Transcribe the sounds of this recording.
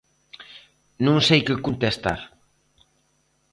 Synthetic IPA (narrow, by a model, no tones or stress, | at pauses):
nũŋsejkɪkunt̪est̪a̰ɾ